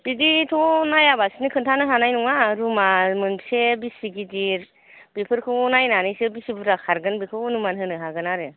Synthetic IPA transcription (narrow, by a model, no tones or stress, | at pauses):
b̥iditʰɔnajabasinɯkʰɯntʰanɯɦanajnuŋaɾumamɯnsebisiɡidiɾ | b̥ipʰɯɾkʰɯwnajnanijsebisibuɾakʰaɾɡɯnbikʰɯwnumanɦɯnɯɦaɡɯnaɾɯ